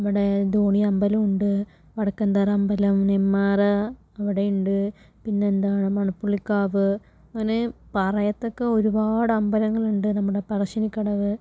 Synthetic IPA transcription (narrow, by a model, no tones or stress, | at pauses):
nnɐmːɐɽed̪oːɳiɐmbɐlɐmuɳɖɨ | ʋɐɽɐkːɐnd̪ɐɾɐmbɐlɐmnemːaːrɐ | ɐʋiɽejuɳɖɨ | pinːe̞ːnd̪aːɳɨmɐɳupːuɭikːaːʋɨ | ɐŋːɐnepɐrɐjɐt̪ːo̞kːeo̞ɾubaːɽɨɐmbɐlɐŋːɐɭuɳɖɨnɐmːuɽe̞pɐrɐɕɐnikʲːɐɽɐʋɨ